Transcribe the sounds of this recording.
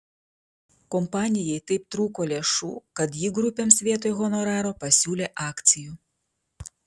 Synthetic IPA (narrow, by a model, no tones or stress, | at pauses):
kɔmpɑːnʲɪjɛɪt̪ɐɪp̚t̪ɾuːkoːlʲeːʃṵːkɐt̪jiɡɾʊpʲemsʲʋʲiɛt̪ojɣɔnɔɾɑːɾopɐsʲuːlʲeːʔɑːkt̪sʲɪju